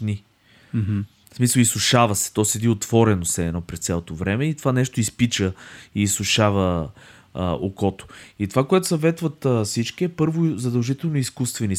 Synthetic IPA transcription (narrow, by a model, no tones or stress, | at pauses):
ni | smisəlˠisʊʃavɐsɛ̥t̪ɔsɛd̪iot̪v̥ɔɾɛnosɛɛnɔpɾɛst̪sʲalˠot̪ovɾɛmɛit̪ovanɛʃt̪oispit͡ʃəiːsʊʃavə | o̰kɔt̪o̥it̪ovakoɛt̪ʊsɐvɛt̪vɐt̪fsit͡ʃkiɛpɤɾvʊzɐd̪ɐlˠʒit̪ɛlˠnoiskust̪vɛni